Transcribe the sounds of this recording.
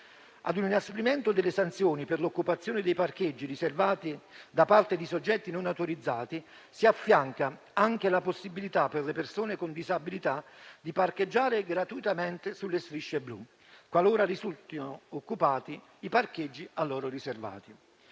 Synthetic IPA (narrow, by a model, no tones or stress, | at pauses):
a̰d̪uninaspɾimɛnt̪od̪ɪlːesant̪sjoːnipɪrlokːupat̪sːjoːnɪd̪ɛjpark̟ed͡ʒːiriservaːt̪id̪apart̪ed̪isod͡ʒːɛt̪ːinonawt̪oɾid̪zːaːt̪i | siafːjaŋka | aŋk̟elaposːibilit̪apːerlepersoːnekond̪izabilit̪ad̪iparked͡ʒːaːɾɪɡɾat̪uit̪ament̪ɪsulːest̪ɾiʃːeblṵ | kwaloːɾarizult̪inookːupaːt̪i | iparked͡ʒːialːɔːɾʊriserva̰ːt̪i